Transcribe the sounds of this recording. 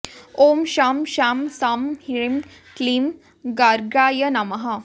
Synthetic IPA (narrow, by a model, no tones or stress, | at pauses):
omɕamɕamsamhiɭim | klim | ɡaɾɡɾaːjənamɐɦa